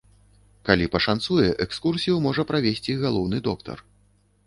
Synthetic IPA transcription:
kalʲipɐʂant̪sujɛʔɛkskursʲijumɔʐɐpɾavʲesʲt͡sʲiɣalˠɔwnɨd̪ɔk̚t̪ɐ̰r

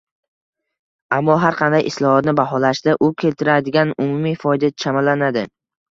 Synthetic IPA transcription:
amːɒɦaɾqʰɑnd̪ajʔɪslˠɒhɒt̪nɪbaɦɒlaʃd̪aʔʊkʲʰe̞lt̪ʰɪɾad̪ɪɡʲanʊmʊmifɒjd̪at͡ʃʰamalːanad̪ɪ

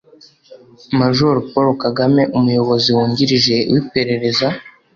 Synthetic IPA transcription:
maʒoɾopoɾokaɡame̞ʔumujo̞βo̞ziwuːɲɟiɾiʒe̞wʔipe̞ɾe̞ɾe̞za

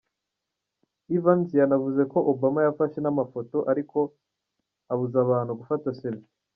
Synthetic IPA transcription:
ivanzijanavuze̞ko̞ʔobamajafaʃe̞namafo̞to̞ʔaɾiko̞ | aβuzaβaːn̥huɡufataseβi

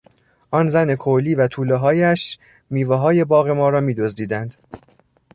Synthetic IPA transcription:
ʔɒːnzæne̞kʰoliːvæt̪ʰuːleɦɒːjæʃ | miːveɦɒːje̞bɒːɣe̞mɒːɾɒːmiːd̪o̞zd̪iːd̪ænd̪̥

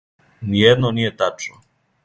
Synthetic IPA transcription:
nijɛd̪nonijet̪at͡ʃno

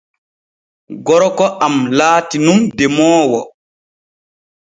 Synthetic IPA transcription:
ɡɔɾɔkɔʔamlaːtinumdɛmɔːwɔ

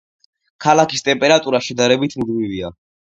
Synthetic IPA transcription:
kʰalakist̪ʼɛmpʼɛɾat̪ʼuɾaʃɛd̪aɾɛbit̪ʰmd̪mivia

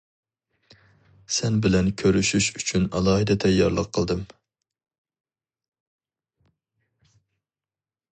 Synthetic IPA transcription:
sɛnbɪlɛnkʲʰøɾyʃyʃyt͡ʃʰynɑ̰lˠɑːhɨd̪ɛt̪ʰɛjːɑɾlˠəqʰːəlˠd̪ɨm

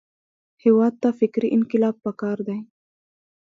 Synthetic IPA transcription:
hewɑd̪̚t̪afɪkɾiʔɪnkɪlɑb̚pakɑɾd̪aj

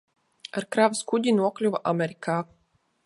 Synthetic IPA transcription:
aɾkɾaviskuɟ̪ʲinuɔklʲuvaʔamʲɛɾikʰaː

